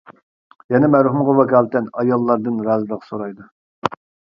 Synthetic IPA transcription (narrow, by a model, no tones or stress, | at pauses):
jɛnɛmæɾhumʁɑwɛkʲʰɑːlt̪ɛnɑjɑlˠːɑɾd̪ɨnɾɑːzɨd̪əqsoɾɑjd̪u